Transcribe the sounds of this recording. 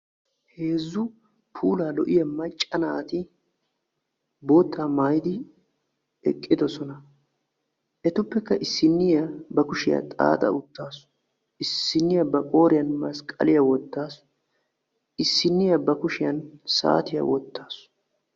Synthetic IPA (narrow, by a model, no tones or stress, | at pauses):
he̞ːzːʊ | pʰuːlaːlɔʔɪjɐmɐt͡ʃʼːɐnaːt̪ɪ | bo̞ːt̪ʰːaːmajd̪ɪ | ɛ̰kʼːɪd̪ɔsɔnɐ | ʔɛt̪ʊpːɛkːɐʔɪsːɪnːɪjɐbɐkʊʃɪjɐ̰t̪ʼa̰ːt̪ʼɐ̰ʊt̪ːaːs | ɪsːɪnːɪjɐbɐkʼo̞ːɾɪjɐnmɐskʼɐ̰lɪjɐwɔt̪ːaːs | ɪsːɪnːɪjɐbɐkʊʃɪjɐnsa̰ːt̪ɪjɐ̰wɔ̰t̪ːaːsʊ̥